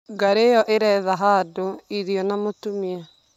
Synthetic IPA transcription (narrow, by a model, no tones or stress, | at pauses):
ɡaɾejɔʔeɾɛːðaɦaːdoiɾiɔnamotumia